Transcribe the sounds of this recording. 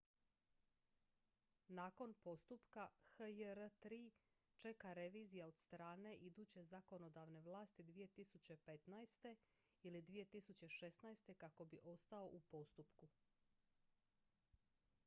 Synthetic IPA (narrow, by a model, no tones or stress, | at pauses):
naːko̞npo̞st̪upkaxəjəɾət̪ɾiː | t͡ʃe̞kaɾe̞ʋiːzijao̞d̪̥st̪ɾaːne̞ʔid̪uːt͡ɕe̞zako̞no̞d̪aʋne̞ʋlˠaːst̪id̪ʋije̞t̪isut͡ɕe̞pe̞t̪najst̪e̞ | ilid̪ʋije̞t̪isut͡ɕe̞ʃe̞snajst̪e̞kako̞biʔo̞st̪ao̞ʔupo̞st̪upku